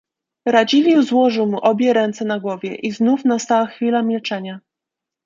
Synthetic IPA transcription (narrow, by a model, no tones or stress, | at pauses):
ɾad͡ʑilʲizwɔʐɘwmuʔɔbʲjɛɾɛnt̪sɛnaɡwɔvʲjɛʔiznufnast̪awaxfʲilamʲilt͡ʂɛɲa